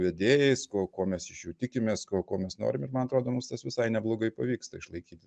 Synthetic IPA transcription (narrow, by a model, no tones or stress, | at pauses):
ʋʲɛd̪ʲeːjɛɪskoːkoːmʲɛsɪʃjuːt̪ʲɪkʲɪmʲeːskoːkoːmʲɛsno̰ːɾʲɪmɪɾmɐnɐt̪ɾoːd̪oːmʊmst̪ɐsʋʲɪsɐɪnʲɛblˠoːɡɐɪpɐʋʲiːkst̪ɐɪʃlˠɐɪkʲiːt̪ʲɪ